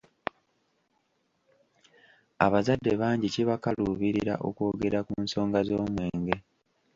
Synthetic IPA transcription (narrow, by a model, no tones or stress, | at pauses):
a̰βazadːe̞βaːɲɟiciβakaluːβiɾiɾa̰ʔoko̞ːɡe̞ɾakunso̞ːŋɡazo̞ːmwe̞ːŋɡe̞